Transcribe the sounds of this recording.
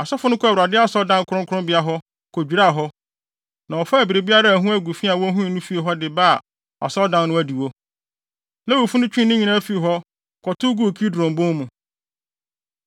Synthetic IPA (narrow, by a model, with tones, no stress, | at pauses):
a˨sɔ˦fʊ˦nʊ̃˦kʰɔ˦˨wɾa˨dɪ˦a˦sɔ˦dã˦nkʰʊ˨˦ʊ̃˦kʰʊ˦ɾʊ̃˦bɪ˨˦a˦ɦɔ˦ | kʰɔ˨d͡ʑᶣu˨ɾa˦˨ɦɔ˦ | nã˨ɔ˨fa˦æ˨bi˨ɾe˨bi˦a˦ɾa˦˨ɦũ˦æ˦ɡu˨fi˦a˨wɔ˦ɦũ˦ĩ˨nũ˦fi˦e˨ɦɔ˦dɪ˨baː˦˨ | a̰˨sɔ˦ldã˦nnʊ̃˦æ˦di˨wo˦ | nã˦wo˨fu˦nʊ̃˦t͡ɕᶣĩ˦nʊ̃˦ɲĩ˨nã˦fi˦˨ɦɔ˦ | kʰɔ˨tʰʊ˦ɡu˦˨kʰi˦dɾɔ̃˨mbʊ̃˦mũ˨